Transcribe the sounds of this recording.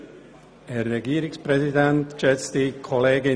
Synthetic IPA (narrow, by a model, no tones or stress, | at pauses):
hɛːɾːɛɡiːəɾɪkspɾɛzidɛntʃɛt͡st̪ikʰɔleːɡɪ